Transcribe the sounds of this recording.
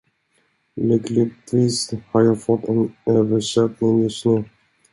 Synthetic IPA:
lʏklɪt̪viːshaɾjɑːɡfɔt̪ʰːɛnøːvəʂɛt̪nɪŋjɵst̪nʉː

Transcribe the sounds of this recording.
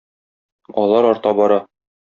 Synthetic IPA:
ɒlˠɑɾɒɾt̪ɑbɒɾɑ

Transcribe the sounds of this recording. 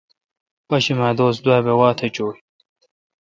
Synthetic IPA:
pɐɕimaːd̪oːsd̪waːbewaːt̪ʰet͡ɕoːji

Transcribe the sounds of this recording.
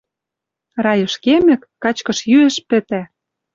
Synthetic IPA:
rɑjɤ̆ʃkemɘ̆kːɑt͡ɕkɤ̆ʃjyĕʃpɘ̆t̪æ

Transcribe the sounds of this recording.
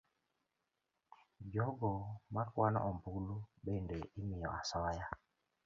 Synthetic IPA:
d͡ʒɔɡɔmakwanɔ̰ʔɔmbuluɓendeʔimɪjɔasɔja

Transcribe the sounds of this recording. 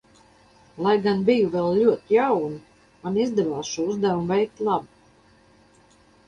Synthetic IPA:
lˠajɡanbijuvɛlˠʎuɔt̪ijawni | manizd̪ɛvaːsʃuːuzd̪ævumvɛjkt̪lˠɑbu

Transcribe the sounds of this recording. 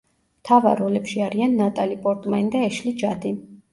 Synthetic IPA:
mt̪ʰava̰ɾɔlɛpʃiaɾianːat̪ʼalipʼɔɾt̪ʼmanid̪aɛʃlid͡ʒad̪i

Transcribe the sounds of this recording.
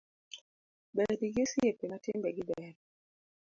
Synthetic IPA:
bɛdiɡesjepenatɪmbɛɡɪbɛɾ

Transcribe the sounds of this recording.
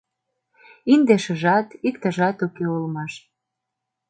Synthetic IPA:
ind̪eʃə̆ʒɑt̪ikt̪ə̆ʒɑt̪ukeulmɑʃ

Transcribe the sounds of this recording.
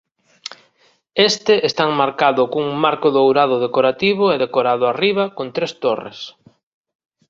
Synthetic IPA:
est̪ɪʔest̪aŋmaɾkaðʊkuŋmaɾkʊðowɾaðʊðekoɾat̪iβʊɛðekoɾaðʊariβ̞ɐkont̪ɾest̪orḛs

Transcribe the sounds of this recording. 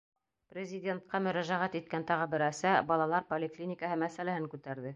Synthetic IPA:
prʲɪzʲɪdʲe̞nt̪̚qɑmɵ̆ɾæʒæʁæt̪it̪̚kænt̪ɑʁɤbɘ̆ɾæsæbɑlˠɑlˠɑɾpolʲɪklʲinʲɪkəɦɤmæsælæhɘŋkʉt̪æɾðɘ

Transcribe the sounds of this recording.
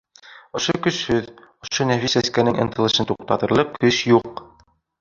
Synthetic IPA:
ŏʃokɵ̆ʃhɵð | ŏʃonæfisæskænɘŋʔɤ̆nt̪ʰɤ̆lˠɤ̆ʃɤnt̪uq̚t̪ɑt̪ɤ̆ɾlˠɤqkɵʃjuq

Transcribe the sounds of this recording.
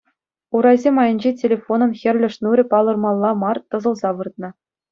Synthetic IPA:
uɾɑjzʲemɑjɤ̆nʲd͡ʑetʲelʲefonɤ̆mxʲɘ̆rʲlʲɘ̆ʂnuɾʲɘ̆pɑlˠɤ̆rmɑlˠːɑmɑrt̪ɤ̆zɤ̆lˠzɑʋɯrt̪̚nɤ̆

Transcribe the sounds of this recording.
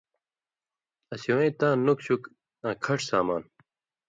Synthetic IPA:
ɐsiwẽĩt̪ãːnukɕuk | ãːkʰɐʈ͡ʂsaːma̰ːn

